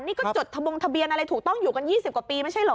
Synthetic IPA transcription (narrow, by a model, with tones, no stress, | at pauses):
niː˥˩kɔː˥˩t͡ɕo˨˩t̪ʰːa˧bo˧ŋt̪ʰa˧bi˧ənʔa˧ɾa˧jt̪ʰuː˨˩k̚t̪ɔ˥˩ŋjuː˨˩ka˧njiː˥˩si˨˩p̚kwa˨˩piː˧ma˥˩jt͡ɕʰjlɔː˨˦